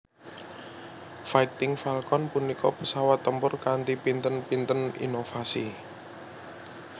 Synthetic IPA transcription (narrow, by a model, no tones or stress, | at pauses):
fait̪ɪŋfalkɔnpunikɔpəsawat̪ːəmpʊrkant̪ipint̪ənpint̪ənḭnofasi